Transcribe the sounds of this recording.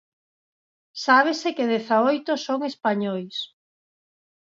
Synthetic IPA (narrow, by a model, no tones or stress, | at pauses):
saβ̞esekeðeθaojt̪osoŋespaɲojs